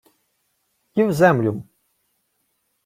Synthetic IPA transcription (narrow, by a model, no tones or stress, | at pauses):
jʲiwzɛmlʲum